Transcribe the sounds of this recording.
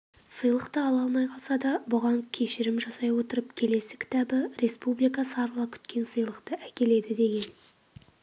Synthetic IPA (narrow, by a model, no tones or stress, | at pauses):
səjlˠəqt̪əɑlˠɑlˠmɑjqʰɑlˠsɑd̪ɑbʊʁɑŋkʲʰe̞ʃɪɾɪmʒɑsɑjwo̞t̪əɾəpkʲʰe̞le̞sɪkʲʰɪ̥t̪ɑbɪɾe̞spublˠijkɑsɑɾlˠɑkʲʰʏ̥t̪̚kʲe̞nsəjlˠəqt̪əʔækʲe̞le̞d̪ɪd̪e̞ɡʲe̞n